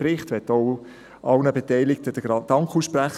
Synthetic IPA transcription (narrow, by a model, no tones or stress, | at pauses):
rɪχtʋɛtːoʊ | ʔɑlnəbetɛɪlɪk̚təd̥əɡɑd̥ɑŋkʰuːsʃpræχ